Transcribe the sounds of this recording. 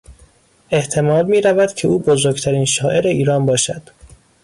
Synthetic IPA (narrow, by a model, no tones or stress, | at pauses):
e̞ht̪ʰe̞mɒːlmiːɾævæd̪̥cʰe̞ʔuːbozoɾɡt̪ʰæɾiːnʃɒːʔe̞ɾe̞iːɾɒːnbɒːʃæd̪̥